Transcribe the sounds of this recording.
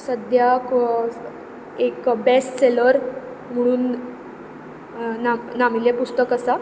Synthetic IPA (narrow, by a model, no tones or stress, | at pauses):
səd̪jak | ekbesʈseləɾ | m̤əɽ̃uːn | nanamilepust̪əkəsa